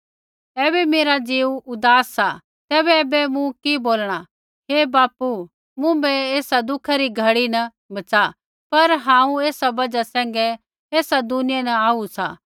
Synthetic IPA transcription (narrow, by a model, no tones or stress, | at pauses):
ɛːbɛmeːɾad͡ʒiːuʊd̪aːsːa | t̪ɛːbɛɛːbɛmũkiboːlɽ̃a | ɦeːbaːpu | mũbɛeːsad̪ʊkʰaɾiɡʱɐɽinɐ | bɐt͡sa | pɐɾɦãːũeːsabɐd͡ʒasɛ̃ːŋ̆ɡɛ | eːsad̪ʊnɪjɛnɐaːusa̰ː